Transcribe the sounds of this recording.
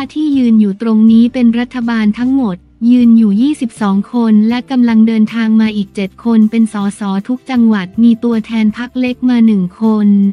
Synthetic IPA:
tʰaː˥˩t̪ʰiː˥˩jɯː˧njuː˨˩t̪ɾo˧ŋniː˦˥pe˧nɾa˦˥t̪ʰːa˧baː˧nt̪ʰa˦˥ŋmo˨˩t̪̚jɯː˧njuː˨˩jiː˥˩si˨˩p̚sɔː˩˦ŋkʰo˧nlɛ˦˥ka˧mla˧ŋdɤː˧nt̪ʰaː˧ŋmaː˧ʔiː˨˩k̚t͡ɕe˨˩t̪̚kʰo˧npe˧nsɔː˩˦sɔː˩˦t̪ʰu˦˥k̚t͡ɕa˧ŋwa˨˩t̪̚miː˧t̪u˧ɐt̪ʰɛː˧npʰa˦˥k̚le˦˥k̚maː˧nɯ˨˩ŋkʰo˧n

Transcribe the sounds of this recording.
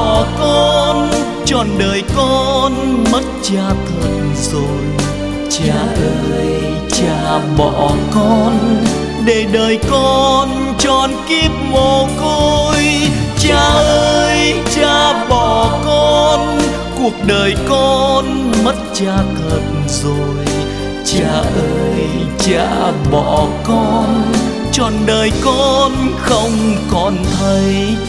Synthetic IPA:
ɔ˨˩kɔ˧n | t͡ɕɔ˨˩nɗəː˨˩jkɔ˧nmə˦˥t̚t͡ɕaː˧t̪ʰə˨˩t̚zo˨˩j | t͡ɕaː˧˩ʔəː˧j | t͡ɕaː˧˩ɓɔ̰˧˨kɔ˧n | ɗe˧˩ɗəː˨˩jkɔ˧n | t͡ɕɔ˧˩nki˦˥əp̚mo˨˩ko˧jt͡ɕaː˧˩ʔəːəː˧jt͡ɕaː˧˩ɓɔ˧˨˩kɔ˧n | ku˨˩ək̚ɗəː˨˩jkɔ˧nmə˦˥t̚t͡ɕaː˧kə˨˩t̚zo˨˩j | t͡ɕaː˧˩ʔəː˧j | t͡ɕa̰ː˧˨ɓɔ˧˨˩kɔ˧n | t͡ɕɔ˨˩nɗəː˨˩jkɔ˧nxə˧wŋ͡mkɔ˨˩nt̪ʰə˨˦j

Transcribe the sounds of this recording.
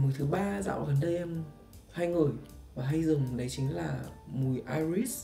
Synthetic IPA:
mu˨˩jt̪ʰɨ˨˦ɓaː˧za̰ː˧˨wɣə˨˩nɗə˧jʔɛ˧m | ha˧jŋɨ˨˩əjvaː˨˩ɦa˧jzɨ˨˩ŋɗə˨˦jt͡ɕï˨˦ŋ̟laː˨˩mu˨˧˩jʔaː˧jɹi˦˥s

